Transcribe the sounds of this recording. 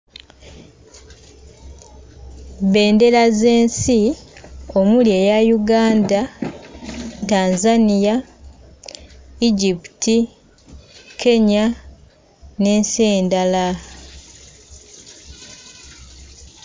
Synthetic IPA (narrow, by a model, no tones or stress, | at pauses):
βe̞ːnde̞laze̞ːnsi | o̞muljeːjajuɡaːnda | taːnzanija | iɟipi̥ti | ke̞ɲa | ne̞ːnseːndala